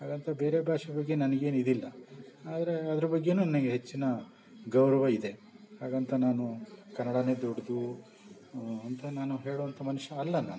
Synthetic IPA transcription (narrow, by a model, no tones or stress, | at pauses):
ɦaːɡɐnt̪ʰɐbe̞ːɾe̞bʱaːʂɐbɐɡːe̞nɐnɐɡe̞ːnid̪ilːɐaːd̪ɐɾe̞ɐd̪ɐɾɐbɐɡːe̞nuːnɐnɐɡeɦet͡ʃːinɐ | ɡɐwɾɐʋɐid̪e̞ɦaːɡɐnt̪ʰɐnaːnukɐnːɐɽɐneːd̪oɽd̪u | ɐnt̪ʰɐnaːnuɦe̞ːɭɔʋɐnt̪ʰɐmɐnuʃɐːlːɐnaːnu